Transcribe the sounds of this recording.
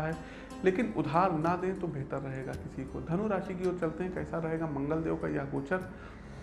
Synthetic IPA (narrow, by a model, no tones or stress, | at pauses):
aɦɛː | leːkɪnʊd̪ʱɦaːɾnad̪ẽt̪obʱeːt̪əɾːɐɦeːɡakɪsiko̰d̪ʱɐnuɾaːʃikioːɾt͡ʃɐlt̪eɦɛ̃kɛːsaɾɐɦeːɡamɐ̃ŋɡəld̪eːõka̰jaɡoːt͡ʃəɾ